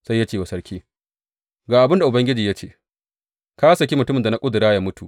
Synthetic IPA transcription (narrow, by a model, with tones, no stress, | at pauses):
sa˦jːa˦t͡ʃeː˨wa˨sɐ˦ɽkʲiː˦ | ɡaː˨ʔa˨bɪ˦nda˨ʔʊ˨bɐ˦ŋɡʲɪ˦d͡ʒiː˨ja˦t͡ʃeː˦ | kaː˦sɐ˨kʲi˦mʊ˨tʊ˦mɪ˨nda˨na˦kʼʊ˦dʊ˨ɽaː˦jaː˦mʊ˦tṵ˨ʔ